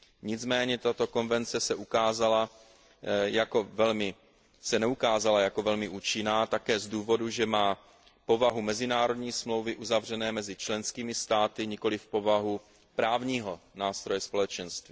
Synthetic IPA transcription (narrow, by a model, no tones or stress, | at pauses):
ɲɪd͡zmɛːɲɛt̪at̪o̞ko̞nvɛnt͡sɛsɛʔukaːzala | jakovɛlmɪ | sɛnɛukaːzalajako̞vɛlmɪʔuːt͡ʃɪnaːt̪akɛːzduːvo̞duʒɛmaː | po̞vaɦumɛzɪnaːɾo̞dɲiːsmlo̞wvɪʔuzavr̝ɛnɛːmɛzɪt͡ʃlɛnskiːmɪst̪aːt̪ɪɲɪko̞lɪfpo̞vaɦu | pɾaːvɲiːɦo̞naːst̪ɾo̞jɛspo̞lɛt͡ʃɛnst̪viː